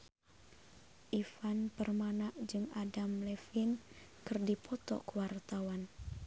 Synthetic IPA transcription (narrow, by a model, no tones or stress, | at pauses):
ʔifanpərmanaʔd͡ʒɨŋadamlɛfin | kɨrdipʰɔt̪ɔ̰kəwart̪awan